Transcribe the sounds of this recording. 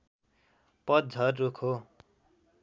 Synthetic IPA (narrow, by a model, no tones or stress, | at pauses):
pʌd̪̚d͡zʱʌrːukʰo